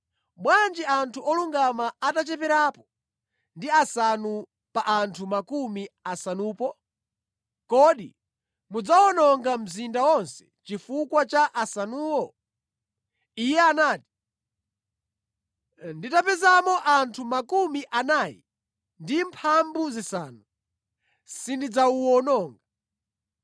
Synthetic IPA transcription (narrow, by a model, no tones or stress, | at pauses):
mwand͡ʒiantʰuɔluŋɡamaatat͡ʃɛpɛɾaːpɔ̥ | ndiasanu | paʔantʰumakumiasanuːpɔ | kɔɗḭ | mud͡zawɔnɔŋɡam̩zindawɔnsɛ̥t͡ʃifukwat͡ʃaʔasanuːwɔ | ijɛanaːti̥ | nditapɛzamɔʔantʰumakumiʔanaːjḭ | ndimpʰambuzisaːnu | sindid͡zauwɔnɔːŋɡa